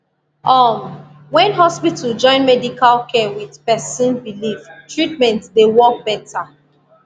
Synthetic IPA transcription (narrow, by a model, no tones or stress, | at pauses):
ʔɔ | wɛ̃nɦɔspitʰuld͡ʒɔ̃ɪ̃nmɛdikʰalkʰɛwið̥pɛsə̃nbiliftɹitmɛ̃ntdewɔk̚bɛtʰa